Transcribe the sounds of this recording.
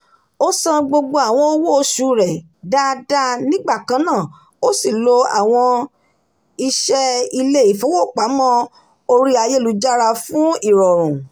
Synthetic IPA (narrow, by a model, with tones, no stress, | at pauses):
o˦sã˦ɡ͡bo˧ɡ͡bo˧a˨w̃ɔ̃˧o˧˦wo˦o˧ʃu˨˧˦ɾɛ˨ | da˦da˦nĩ˦ɡ͡ba˦˨kã˧˦nãː˦˨ | o˦si˦˨lo˧a˨w̃ɔ̃˧ | i˧ʃɛ˦i˧le˦i˦˨fo˦wo˦˨k͡pa˨˦mɔ̃˦ | o˧ɾi˦a˧je˦lu˨˧˦d͡ʒa˦ɾa˧fũ˦i˦˨ɾɔ˨ɾũ˨